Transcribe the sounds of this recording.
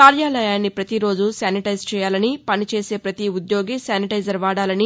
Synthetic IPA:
kaːɾjaːlɐjaːnːipɾɐt̪iɾo̞ːd͡ʒusjaːniʈɐjzt͡ʃɛːjaːlɐnipɐnit͡ʃe̞ːse̞ːpɾɐt̪iud̪jo̞ːɡisjaːniʈɐjd͡ʒɐɾʋaːɽaːlɐni

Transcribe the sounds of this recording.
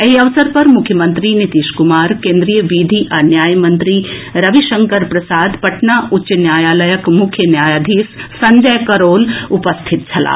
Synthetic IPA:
eɦiɐʋsəɾpɐɾmʊkʰjəmə̃nt̪ɾinit̪iːʃkumaːɾkẽnd̪ɾijəʋid̪ʱiʔanjaːjmənt̪ɾiɾɐʋiʃəŋkəɾpɾɐsaːd̪pɐʈnaʔʊɕənjaːjaːləjəkmʊkʰjənjaːjaːd̪ʱiːssɐɲd͡ʒəjkɐɾoːlupəst̪ʰit̪̚t͡ʃʰɐla̰ː

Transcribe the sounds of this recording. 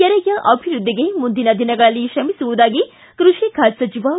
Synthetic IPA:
ɛɾɐjɐʔɐbʱiɾud̪ʱːiɡe̞mund̪inɐd̪inɐɡɐɭɐlːiʃɐmisuʋud̪aːɡi | kɾuʂikʰaːd͡ʒsɐt͡ʃiʋa

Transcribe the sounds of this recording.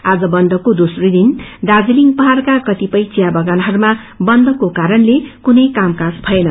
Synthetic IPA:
ad͡zʌbʌnd̪ʌkod̪osrijd̪ind̪ad͡ziliŋɡpʌɦarkakʌt̪ipʌjt͡sijabʌɡanɦʌɾuma | bʌnd̪ʌkokaɾʌnlekunʌjkamkãsbʱʌenʌ

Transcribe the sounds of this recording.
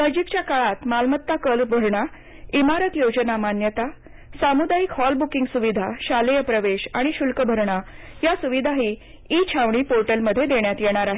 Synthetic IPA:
nəd͡ʑikt͡ɕjakaɭat̪malmət̪ːakəlbʱəɾɳa | imaɾət̪jod͡ʑənamanjət̪a | samud̪ajikɦɔlbukiŋɡsuʋid̪ʱaɕalejəpɾəʋeɕaɽ̃iɕulkəbʱəɾɳa | jasuʋid̪ʱaɦi | it͡ɕʰaʋɳ̃iːpoɾʈəlməd̪ʱːjed̪eɳjat̪jeɽ̃aɾaɦe

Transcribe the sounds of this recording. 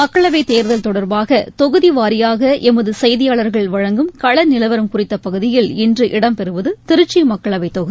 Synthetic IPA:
mɐkːɐɭɐʋɐɪt̪eːɾðɐlt̪ɔɽɐɾbaːɣɐt̪ɔɣɯðiʋaːɾɪjaːɣɐʔɛmɐðɯsɐjðɪjaːɭɐɾɣɐɭʋɐɻɐŋɡɯmkɐɭɐnɪlɐʋɐɾɯmkʊrɪt̪ːɐpɐɣɯðɪjɪlɪndrɯʔɪɽɐmpɛɾɯʋɐðɯt̪ɪɾɯt͡ʃːimɐkːɐɭɐʋɐɪt̪ɔɣɯði

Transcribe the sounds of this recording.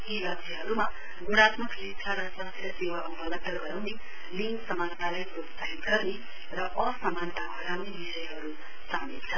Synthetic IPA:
ɦilʌbsʰʌɦʌɾuma | ɡuɽ̃at̪mʌklit͡sʰaɾʌsʌt̪ʰjʌsewaʔubʌlʌd̚d̪ʌɡʌɾawne | liŋɡsʌmant̪alajprot̪saɦit̪ɡʌrne | rʌʔʌsʌmant̪abʱʌɾawnebisʌjɦʌɾu | samilt͡sʰʌ

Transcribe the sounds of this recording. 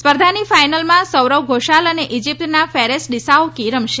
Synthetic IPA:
spəɾd̪ʱanifajnəlmãsəwɾəwɡʱoʃaləneʔid͡ʒip̚t̪nafɛɾesɖisaokiɾəmʃe

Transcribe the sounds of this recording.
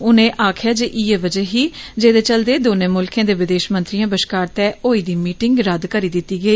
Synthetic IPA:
ʊnẽːʔaːkʰjaːd͡ʒeʔiːeːʋəd͡ʒəːɦiːd͡ʒeːd̪eːt͡ʃəld̪eːd̪oːnẽːmʊlkãːd̪eːʋɪd̪eːʃmə̃nt̪ɾijãːbəʃkaːɾt̪ɛːoːiːd̪iːmiːʈɪŋɡɾəd̪kəɾiːd̪ɪt̪ːiːɡəiː

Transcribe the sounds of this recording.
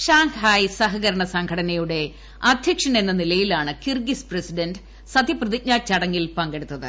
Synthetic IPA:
ɕaːŋhaːjsɐɦɐɣɐɾɐɳɐsɐŋkʰɐɽɐnɐjuɽe̞ | ɐd̪ʱjɐkʂɐne̞nːɐnilɐjilaːɳɨkirɡispresiɖɐnd | sɐd̪ʱjɐprɐðik̚ɲaːt͡ɕːɐɽɐŋːilpɐŋɡe̞ɽut̪ːɐðɨ̰

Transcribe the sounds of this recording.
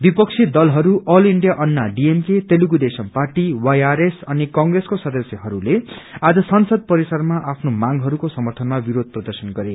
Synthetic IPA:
bipʌksʰid̪ʌlɦʌɾuʔʌliɳɖjaʔʌnːaɖiemket̪eluɡud̪esʌmparʈiwajaɾesʌnikʌŋɡreskosʌd̪ʌsjʌɦʌɾulead͡zʌsʌnsʌd̪̚pʌɾisʌrmaʔapʰnomaŋɡɦʌɾukosʌmʌrt̪ʰʌnmabiɾod̪̚ʱprʌd̪ʌrsʌnɡʌɾe

